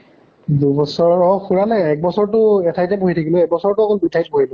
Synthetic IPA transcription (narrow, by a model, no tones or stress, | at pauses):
dubɔsɔɹɔxuɹalɛɛk̚bɔsɔɹtʊɛtʰajtɛboɦitʰakilʊɛk̚bɔsɔɹtʊakɔlbutʰajt̚bʱoɦilʊ